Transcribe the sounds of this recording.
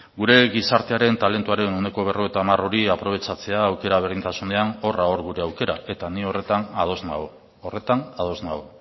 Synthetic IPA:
ɡuɾe̞ɣisaɾt̪e̞aɾe̞nt̪ale̞nt̪uaɾe̞none̞ko̞β̞e̞roet̪amaro̞ɾiapɾo̞βe̞t͡sat͡se̞aːwke̞ɾaβe̞ɾðint̪asune̞ano̞raoɾɣuɾe̞awke̞ɾae̞t̪anio̞re̞t̪anað̞o̞zna̰oː | re̞t̪anað̞o̞znaɣo

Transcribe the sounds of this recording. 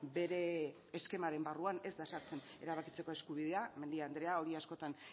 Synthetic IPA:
be̞ɾe̞ː | ske̞maɾe̞mbaruane̞zd̪asaɾt͡se̞ne̞ɾaβakit͡se̞ko̞e̞skuβ̞iðe̞ame̞nd̪iand̪ɾe̞ao̞ɾiasko̞t̪an

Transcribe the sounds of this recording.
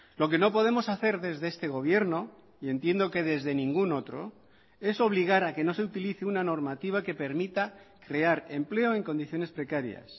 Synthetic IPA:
lo̞k̬e̞no̞po̞ð̞e̞mo̞saθe̞ɾðe̞zðe̞est̪e̞ɣ̞o̞β̞je̞ɾno̞ | ie̞nt̪jend̪o̞ke̞ðe̞zðe̞nĩŋɡuno̞t̪ɾo | e̞so̞β̞liɣ̞aɾake̞no̞se̞ut̪iliθeunano̞ɾmat̪iβ̞ake̞pe̞ɾmit̪a | kɾe̞aɾe̞mple̞o̞e̞ŋko̞nd̪iθjo̞ne̞spɾe̞kaɾja̰s

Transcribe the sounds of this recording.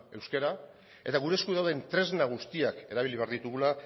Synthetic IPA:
e̞wskeɾa | e̞t̪aɣ̞uɾe̞skuðawðe̞nt̪ɾe̞znaɣ̞ust̪iake̞ɾaβ̞iliβe̞aɾðit̪uɣula

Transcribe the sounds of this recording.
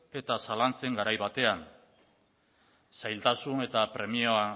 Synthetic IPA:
e̞t̪asalant͡se̞ŋɡaɾajβat̪e̞an | sajlt̪asune̞t̪apɾe̞mioa

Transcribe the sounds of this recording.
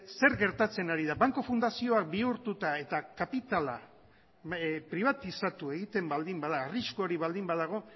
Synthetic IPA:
se̞ɾɡe̞ɾt̪at͡se̞naɾiðaβaŋko̞fund̪asio̞ak̚biuɾt̪ut̪ae̞t̪akapit̪ala̰ | pɾiβat̪isat̪ue̞ɣit̪e̞mbald̪imbaðaːriʃkoːɾiβald̪imbaðaɣ̞o̞

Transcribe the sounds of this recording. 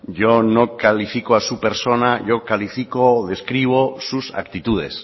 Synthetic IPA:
ʝonokalifikoasupe̞ɾso̞naʝo̞kalifikoðe̞skɾiβ̞osusa̰k̚t̪it̪uð̞e̞̰s

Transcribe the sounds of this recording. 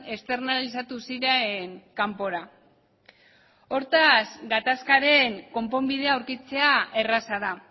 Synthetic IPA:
e̞st̪e̞rnalis̬at̪usiɾeŋkampo̞ɾa | o̞ɾt̪asɡat̪askaɾe̞ŋko̞mpo̞mbið̞e̞awɾkit͡se̞ae̞rasaða

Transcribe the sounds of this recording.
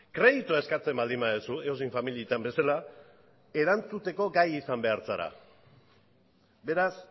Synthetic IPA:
kɾe̞ðit̪uae̞skat͡se̞mbald̪imbaðusueosiɱfamiliet̪ambe̞sala | e̞ɾant͡sut̪e̞ko̞ɡajisambe̞aɾt͡saɾa̰ | be̞ɾas

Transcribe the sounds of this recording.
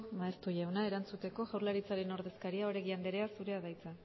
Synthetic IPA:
maest̪uʎawnae̞ɾant͡sut̪e̞ko̞ɣawɾlaɾit͡saɾe̞no̞ɾðe̞skaɾiao̞ɾe̞ɣiand̪eɾe̞asuɾe̞aðajt͡sa

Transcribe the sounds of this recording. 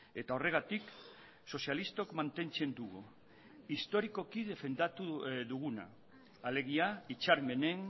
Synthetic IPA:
e̞t̪ao̞re̞ɣ̞at̪ik | so̞sialist̪o̞kmant̪e̞nt͡se̞nd̪uɣu | ist̪o̞ɾiko̞kiðe̞fe̞nd̪at̪uðuɣuna̰ː | le̞ɣ̞iait͡ʃaɾme̞ne̞n

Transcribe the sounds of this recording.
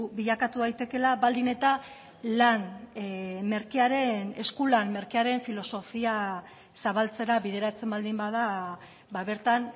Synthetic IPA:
βiʎakat̪uðajt̪e̞ke̞laβald̪ine̞t̪a | lan | me̞ɾkiaɾe̞ne̞skulanme̞ɾkiaɾe̞ɱfilo̞so̞fia | saβalt͡se̞ɾaβið̞e̞ɾat͡se̞mbald̪imbaða | baβe̞ɾt̪an

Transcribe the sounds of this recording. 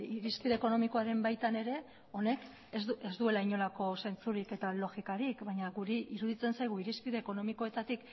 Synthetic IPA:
iɾispiðe̞ːko̞no̞miko̞aɾe̞mbajt̪ane̞ɾe̞ | o̞ne̞k | ezuezd̪ue̞laiɲo̞lako̞se̞nt͡suɾike̞t̪alo̞ɣikaɾikbaɲaɣuɾiʔiɾuðit͡se̞nsajɣ̞uiɾispiðe̞ːko̞no̞miko̞e̞t̪at̪ik

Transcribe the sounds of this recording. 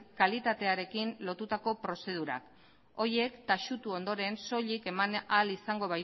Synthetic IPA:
kalit̪at̪e̞aɾe̞kinlo̞t̪ut̪ako̞pɾo̞se̞ð̞uɾa̰k | o̞ɾje̞kt̪aʃut̪uo̞nd̪o̞ɾe̞nso̞ʎike̞manalisaŋɡo̞βaj

